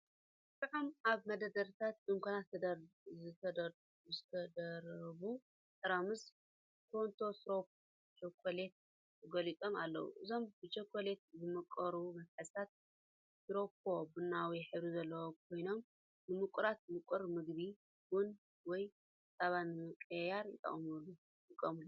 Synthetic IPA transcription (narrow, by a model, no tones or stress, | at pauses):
t̪ʼɨʕamaβmɐd̪ɐd̪ɐɾt̪ʰat̪̚d̪ɨŋkʷʰonat̪ʰːɐd̪ɐɾzɨt̪ʰɐd̪ɐ | zɨt̪ʰɐd̪ɐɾɐβu | t̪ʼɐɾamɨs | kʰont̪ʰo̞sɾo̞p | t͡ʃokʰole̞t̪̚ | ɨɡɐlit͡s̪ʼoma̰lːɐ̰wṵʔɨzo̞mbɨt͡ʃokʰːole̞t̪̚zɨmɐkʼːɐɾumɐfħɨst̪ʰat̪̚ | sɾopʰobɨnːawiħɨβɾizɐlːɐwokʰo̞jno̞m | nɨmɨkʼuɾat̪̚mɨkʼuɾmɨɡbi | wʊn | wɔj | sʼaβanɨɨkʼɐjaɾjɪt̪ʼɐ̰χʼmulːu | j̪ɨkʼːɐ̰mulːu